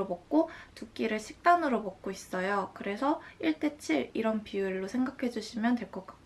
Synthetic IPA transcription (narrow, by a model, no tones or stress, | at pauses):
opʌk̚k͈otuk͈iɾɯɭɕʰi̥k̚t͈anɯɾopʌk̚k͈ois͈ʌjokɯɾe̞sʰʌiɭt͈e̞t͡ɕʰiɾiɾʌnpiɯɭːosʰe̞ŋɡakʰe̞d͡ʑuɕʰimjʌntwe̞ɭk͈ʌk͈ḁ